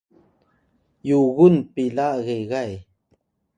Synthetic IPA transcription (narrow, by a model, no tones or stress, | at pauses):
juɣunpilaɣeɣaj